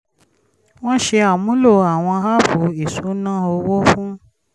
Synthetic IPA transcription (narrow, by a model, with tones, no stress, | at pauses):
w̃ɔ̃˦ʃe˧a˦˨mũ˨˦lo˦˨a˨w̃ɔ̃˧ha˦fo˨˦i˨so˨˦nãː˦o˧wɔ˦fũ˦